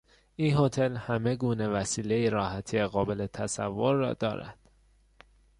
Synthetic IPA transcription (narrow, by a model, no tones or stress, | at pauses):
ʔiːnho̞t̪ʰe̞lhæme̞ɡuːne̞væsiːle̞iɾɒːhæt̪ʰieɣɒːbe̞le̞t̪ʰæsævːoɾːɒ̰ːd̪ɒ̰ːɾæ̰d̪̥